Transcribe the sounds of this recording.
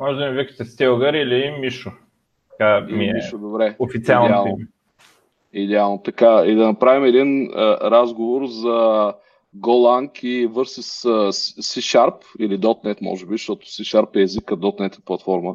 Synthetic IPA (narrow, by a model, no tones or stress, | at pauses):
mɔʒɛd̪ɐnivikə̥t̪ɛst̪ɛlˠɡəɾilimiʃʊ | t̪ɐkaimiiʃod̪obɾɛofit̪sʲialˠd̪ɛalˠno | id̪ɛalˠnot̪ɐkaid̪ɐnɐpɾavimɛd̪inəɾazɡovoɾzɐ | ɡolˠaŋkivɤɾsisəssiʃaɾpilid̪ɔt̪nɛt̪mɔ̰ʒɛbiʃt̪ɔt̪ʊ̥siʃaɾpɛːzikːɐd̪ɔt̪nɛt̪ɛ̥plˠɐt̪fɔɾmə